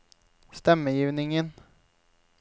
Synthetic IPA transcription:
st̪ɛmːəjiːvnɪŋən

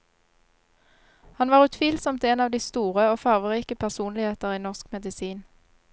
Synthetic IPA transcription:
hɑnʋɑːʁʉt̪ʰʋiːlsɔmt̪eːnɑːʋd̪iːst̪uːʁəoːfɑʁʋəʁiːkəpʰæʁsuːnlɪheːt̪əʁiːnɔʁskmɛd̪ɪsiːn

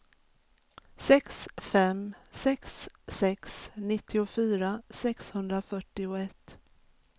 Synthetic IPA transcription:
sɛksfɛmsɛksːɛksnɪt̪ʰːɪʊfyːɾasɛkshɵnd̪ɾafœʈːɪʊɛt̪ː

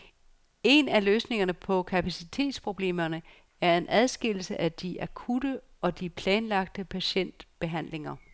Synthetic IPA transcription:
e̝næløːsne̝ŋɐnəpʰɒ̽kʰæpʰæsit͡sʰe̝̰ːd̥spʰʁo̝b̥le̝̰ːmɐnə | æɐe̝nʔæð̞ˠsɡ̥e̝l̰l̩səʔæd̥iʔækʰud̥ə | ɒ̽d̥ipʰlɛːnlɑ̈ɡ̥̚d̥əpʰæɕen̰d̥b̥e̝ɦæn̰le̝ŋɐ

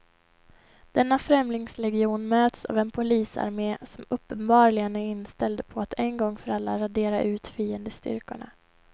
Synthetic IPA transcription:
d̪̥ɛnːafɾɛmlɪŋslɛɡɪuːnmøːt̪sa̰vɛnpʰʊliːsa̰ɾmeːsɔmɵpːənbɑːɾlɪɡənæɾɪnːst̪ɛld̪pʰɔat̪ʰɛnɡɔŋːfœɾalːaɾad̪eːɾa̰ʔʉ̟ːt̪fiːənd̪əst̪ʏ̰ɾkʊ̰ɳa̰

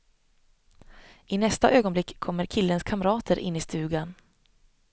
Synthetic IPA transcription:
ʔɪnɛst̪aʔøːɡɔnblɪkʰːɔmːəɾkʰɪlːənskʰamɾɑːt̪ʰəɾʔɪ̰nːɪst̪ʉ̟ːɡan

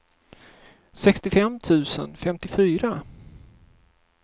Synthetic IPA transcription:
sɛkst̪ɪfɛmːt̪ʰʉ̟ːsə̰nfɛmt̪ɪfyːɾa

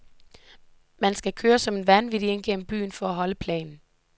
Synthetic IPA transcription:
mænsɡ̥ækʰøːɐsɒ̽me̝nʋænʋidie̝nɡ̥en̰m̩b̥y̰ːnfɒ̽æɦɒ̽ləpʰlɛ̰ːnn̩

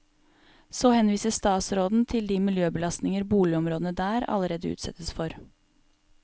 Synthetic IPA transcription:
soːhɛnʋiːsəsst̪ɑːt̪sɾoːd̪n̩t̪ʰɪld̪iːmɪljøːbəlɑst̪nɪŋəɾbuːlɪɔmɾoːd̪nəd̪æːɾɑ̰ləɾeːd̪əʉ̰ːt̪sɛ̰t̪əsfɔɾ

